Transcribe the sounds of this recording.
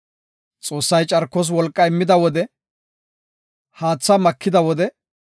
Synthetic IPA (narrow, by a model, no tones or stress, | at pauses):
t͡sʼo̞ːsːɐjt͡ʃʼɐɾkːɔs̬wɔlkʼːɐɪmːɪd̪ɐwɔd̪ɛ | haːt͡sːɐmɐkːɪd̪ɐwɔd̪ɛ